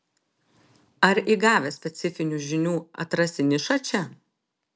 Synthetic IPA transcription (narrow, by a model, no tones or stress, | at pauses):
ɐɾiɡɑːʋʲɛsʲpʲɛt̪sʲɪfʲɪnʲuʒʲɪnʲuːɐ̰t̪ɾɐsʲɪnʲɪʃɐt͡ʃʲɛ